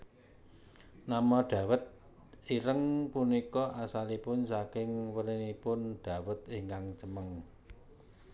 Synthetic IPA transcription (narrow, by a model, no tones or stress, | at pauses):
namɔɖ̥ä̤wət̪̚ | iɾəŋpunikɔʔasalipʊnsakɪŋwəɾinipʊnɖ̥a̤wət̪iŋkaŋt͡ʃəməŋ